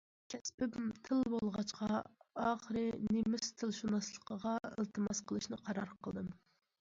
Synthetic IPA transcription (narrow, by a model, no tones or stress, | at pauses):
kʲʰɛspɪbmt̪ʰɨlˠbolˠʁɑt͡ʃqʰɑɑːχəɾɨnemyst̪ʰɨlˠʃunɑslˠəqəʁɑɪ̰lˠt̪ʰɨmɑsqʰəlˠɨʃnɨqʰɑɾɑɾqʰəlˠd̪ɨm